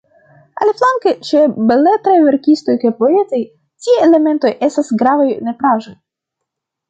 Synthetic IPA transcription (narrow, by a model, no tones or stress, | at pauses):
a̰lflaŋket͡ʃebeletɾajve̞ɾkisto̞jkajpo̞e̞taj | tieele̞me̞nto̞je̞stasɡɾavajne̞pɾaʒoj